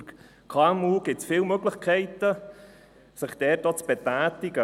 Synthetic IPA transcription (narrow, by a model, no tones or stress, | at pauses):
k | kʰɑmuɡ̥ɪsfɪːlmøɡlɪχkʰɛɪtə | sɪχd̥ɛːt̚ot͡sb̥ɛtæːtɪɡə